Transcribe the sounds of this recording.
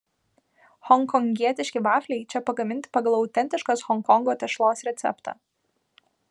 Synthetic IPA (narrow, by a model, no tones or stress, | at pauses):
hɔŋˑkɔŋʲɡʲiɛt̪ʲɪʃʲkʲɪʋɑːfʲlʲɛɪt͡ʃʲɛpɐɡɐmʲɪnʲt̪ʲɪ̥pɐɡɐlˠɒʊt̪ʲɛnʲt̪ʲɪʃkoːsxɔŋkɔŋɡoːt̪ʲɛʃlˠoːsɾʲɛt̪sʲɛ̰pt̪ɑ̰ː